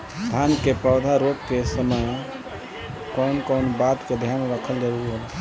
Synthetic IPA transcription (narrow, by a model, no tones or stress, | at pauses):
d̪ʰʱankepəʊd̪ʱaɾoʈkesəməj | kɔnkɔnbat̪ked̪ʱjanɾəkʰəld͡ʒaɾuɾɦəl